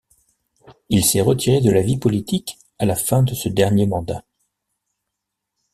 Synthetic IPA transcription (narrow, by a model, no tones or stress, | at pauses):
ilsɛʁət̪iʁed̪əlavipɔlit̪ik | alafɛ̃d̪əsəd̪ɛʁnjemɑ̃d̪a